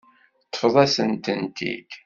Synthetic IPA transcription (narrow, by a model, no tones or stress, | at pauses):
t̪ːə̥fðˤæsənt̪ənt̪ḭd